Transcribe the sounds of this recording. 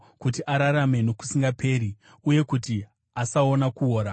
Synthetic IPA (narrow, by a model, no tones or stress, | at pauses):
kut̬iʔaɾaɾame̞no̞ku̥siŋɡapʰe̞ːɾi | uje̞kuti | asao̞nakuɦoːɾa